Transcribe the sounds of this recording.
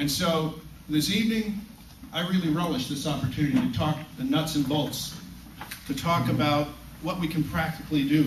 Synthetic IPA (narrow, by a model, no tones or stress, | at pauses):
ɨ̃nsoʊ | ðɪsivnɪ̃ŋ | ʔaɪɹɪlˠiɹoʊlˠɨʃðɪsɑpə˞tʰʉ̃nɨɾiɾɨtʰɔk̚ðɨnʌtsɨ̃nbolˠts | tʰɨtʰɔkɨbaʊt̚ | wʌt̚wikʰɨ̃n̩pʰɹ̥æk̚tɨklidɨ